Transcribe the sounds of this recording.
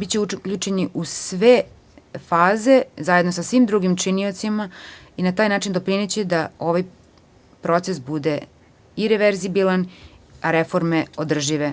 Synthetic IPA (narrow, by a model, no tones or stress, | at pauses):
bit͡ɕeukʎut͡ʃe̞niʔusʋe | faːze̞zajed̪nosasʋimd̪ɾuɡimt͡ʂinio̞t̪sima | inat̪aːjnaːt͡ʃind̪o̞pɾinet͡ɕed̪ao̞ʋaj | pɾo̞t̪sesbud̪e̞ | iɾeʋeɾzibilanaɾefo̞ɾmeod̪r̩ʒiʋe